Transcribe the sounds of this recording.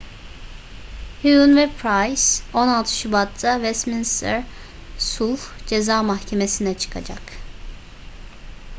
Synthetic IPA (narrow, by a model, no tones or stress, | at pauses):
huunvɛpʰɾajso̞nalˠt̪ʰɯ̥ʃybat̪ʰːavɛst̪minst̪ʰɛ̰ɾ | sulˠd͡ʒe̞zaːmaxcʰe̞me̞sinɛt͡ʃʰɯ̥kʰa̰d͡ʒak